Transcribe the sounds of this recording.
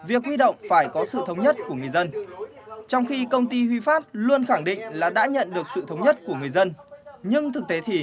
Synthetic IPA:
vi˨˩ək̚hwi˧ɗo̰˧˨wŋ͡mfaː˧˩jkɔ˨˦sɨ̰˧˨t̪ʰə˨˦wŋ͡mɲə˦˥t̚ku˧˩əŋɨ˨˩əjzə˧n | t͡ɕɔ˧wŋ͡mxi˧kə˧wŋ͡mt̪i˧hwi˧faː˦˥t̚lu˧ənxa˧˩ŋɗḭ̈˧˨ŋ̟laː˨˩ɗa̰ː˧˥ɲə̰˧˨nɗɨ˨˩ək̚sɨ̰˧˨t̪ʰə˨˦wɲə˦˥t̚ku˧˩əŋɨ˨˩əjzə˧nɲɨ˧ŋt̪ʰɨ˨˩k̚t̪e˨˦t̪ʰi˨˩

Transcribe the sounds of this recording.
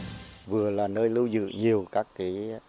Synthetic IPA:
vɨ˨˩əlaː˨˩nəː˧jlɨ˧wzɨ̰˧˨ɲi˨˩əwkaː˦˥k̚ki˨˦

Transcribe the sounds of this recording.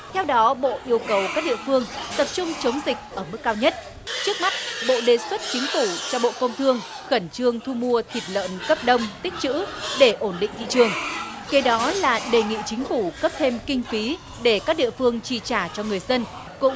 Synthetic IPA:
t̪ʰɛ˧wɗɔ˨˦ɓo̰˧˨ʔi˧əwkə˨˩wkaː˦˥k̚ɗḭ˧˨əfɨ˧əŋt̪ə˨˩p̚t͡ɕʊ˧ŋ͡mt͡ɕə˨˦wŋ͡mzï˨˩k̟̚ʔəː˧˩mɨ˦˥k̚ːaː˧wɲə˦˥t̚ | t͡ɕɨ˦˥ək̚ma˦˥t̚ɓo̰˧˨ɗe˨˩swə˦˥t̚t͡ɕï˨˦ŋ̟fu˧˩t͡ɕɔ˧ɓo̰˧˨kə˧wŋ͡mt̪ʰɨ˧əŋ | xə˧˩nt͡ɕɨ˧əŋt̪ʰu˧mu˧ət̪ʰi˨˩p̚lə̰ː˧˨nkə˦˥p̚ɗə˧wŋ͡mt̪ï˦˥k̟̚t͡ɕɨ̰˧˥ɗe˧˩ʔo˧˩nɗḭ˧˨ŋ̟t̪ḭ˧˨t͡ɕɨ˨˩əŋ | ke˨˦ɗɔ˨˦laː˨˩ɗe˨˩ŋḭ˧˨t͡ɕï˨˦ŋ̟fu˧˩kə˦˥p̚t̪ʰe˧mkï˧ŋ̟fi˨˦ | ɗe˧˩kaː˦˥k̚ɗḭ˧˨əfɨ˧əŋt͡ɕi˧˩t͡ɕaː˧˩t͡ɕɔ˧ŋɨ˨˩əjzə˧n | kʊ̰˧˥ŋ͡m

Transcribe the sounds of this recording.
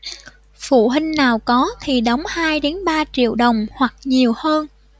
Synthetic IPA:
fṵ˧˨ɦï˧ŋ̟naː˨˩wkɔ˨˦t̪ʰi˨˩ɗə˨˦wŋ͡mhaː˧jɗe˨˦nɓaː˧t͡ɕḭ˧˨əwɗə˨˩wŋ͡mhwa˨˩k̚ɲi˨˩əwhəː˧n

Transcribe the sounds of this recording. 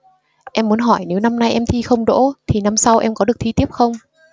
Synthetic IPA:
ʔɛ˧mːu˨˦ənɦɔ˧˩jne˨˦wna˧mna˧jʔɛ˧mt̪ʰi˧xə˧wŋ͡mɗo̰˧˥t̪ʰi˨˩na˧msa˧wʔɛ˧mkɔ˨˦ɨ˨˩k̚t̪ʰi˧t̪i˦˥əp̚xə˧wŋ͡m

